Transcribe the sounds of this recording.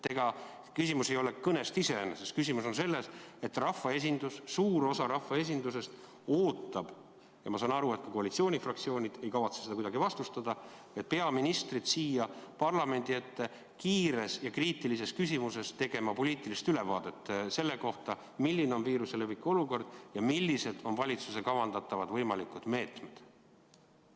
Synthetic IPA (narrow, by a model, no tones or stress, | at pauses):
t̪e̞ɡ̥ɑ | kysimuse̞jo̞lekɤne̞st̪ise̞enesest̪kys̬ʲimuso̞nse̞lːe̞se̞t̪ːrɑfːɑe̞s̬ʲind̪ussuːɾo̞sɑɾɑfːɑe̞s̬ʲind̪us̬e̞st̪ | o̞ːt̪ːˑɑb̥ | jɑmɑsɑːnɑɾue̞t̪̚kɑko̞ɑlit̪sio̞ːnʲifrɑkt̪sio̞ːnʲid̪̥e̞jkɑvɑt̪seseɑkud̪ɑɡ̥ivɑst̪ust̪ɑd̪̥ɑ | et̪̚pe̞ɑminist̪rid̪̥siːjɑpɑrlɑme̞nʲd̪̥ie̞t̪ːe̞ | kiːɾe̞sjɑkriːt̪ˑilise̞skysʲimuse̞st̪e̞ɡ̥e̞mɑpo̞lʲiːt̪ilist̪yle̞vɑ̰ːd̪̥e̞t̪ːese̞lːe̞ko̞ht̪ɑ | milʲːineo̞nviːɾuse̞lepikːˑo̞luko̞rd̪̥jɑmilʲːise̞d̪̥o̞nvɑlʲit̪suse̞kɑvɑnd̪ɑt̪ːˑɑvɑd̪vɤjmɑlikud̪̥me̞ːt̪me̞d̪̥